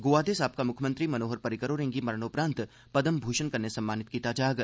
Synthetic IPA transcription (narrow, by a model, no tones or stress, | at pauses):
ɡoːʋaːd̪eːsaːp̚kamʊkʰjəmə̃nt̪ɾimɐnoːɦəɾpɐɾɪkəɾoːɾẽːŋɡimɐɾənoːpɾãːnt̪ | pɐd̪əmbʱuːʃənkɐɾnesɐ̃mːaːnɪt̪̚kit̪aːd͡ʒaːɡ